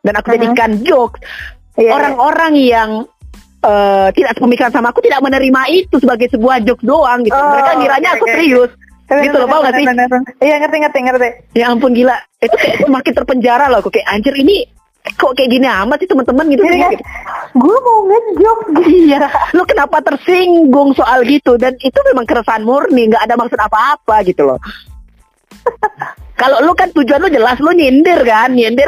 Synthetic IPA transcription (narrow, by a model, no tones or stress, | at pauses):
danakud͡ʒadikand͡ʒɔk̚s | oɾaŋoɾaŋjaŋ | əːt̪idaʔsə̥pəmikansamaːkut̪idaʔ̚mənəɾimait̪usəbaɡajsəbuahd͡ʒɔk̚doaŋɡit̪uɡakaɡiɾaɲaːkut̪ɾiʊs | ɡit̪ulɔbauŋasɪhijaŋət̪ɛŋərt̪ɛŋərt̪ɛjaːmpʊnɡilaʔit̪ukajaʔsəmakɪnt̪ərpəɲd͡ʒaɾalakukajaʔaɲd͡ʒərini | koʔkaɛʔɡiniamasɪht̪əmənt̪əmənɡit̪us | ɡuamoŋəd͡ʒɔk̚ɡialokənapat̪ərsiŋɡʊŋsoʔalɡit̪udanit̪umemaŋkəɾəsaanmurniŋɡaʔːdamaksʊt̪apaːpaɡit̪ulɔ̰ | kalolokant̪ud͡ʒuanlod͡ʒəlasloɲindɪrkanɲindɪr